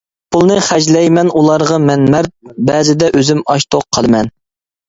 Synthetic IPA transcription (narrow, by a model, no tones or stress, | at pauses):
pʰulˠnɨχæd͡ʒlɛjmɛnulˠɑɾʁɑmɛnmæɾt̪̚bɛzɪd̪ɛʔøzymɑʃt̪ʰoq̚ʰːɑlˠɨmɛn